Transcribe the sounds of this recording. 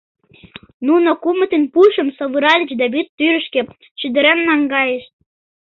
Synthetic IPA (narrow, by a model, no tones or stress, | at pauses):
nunokumə̆t̪enpuʃə̆msoβɯɾɑlʲt͡ɕd̪ɑβyt̪ːyɾə̆ʃkĕ | t͡ɕyd̪ə̆ɾemnɑŋɡɑjeʃ